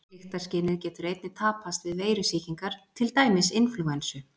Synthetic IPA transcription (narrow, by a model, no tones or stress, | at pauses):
ɪxt̪aɾ̥scɪːnɪðcɛːt̪ʏɾejt̪nɪt̪ʰaːpʰast̪vɪðveːjɾʏsiːciŋkaɾ̥t̪ʰɪlt̪aːjmɪsɪnflʏɣansʏ